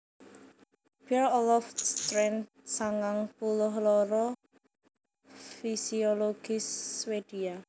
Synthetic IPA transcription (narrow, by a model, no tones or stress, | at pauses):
b̥ɛlɔlɔfst̪ɾɛnt | saŋaŋpulʊɦlɔɾɔ | fisioloɡ̥ɪswed̪̥ia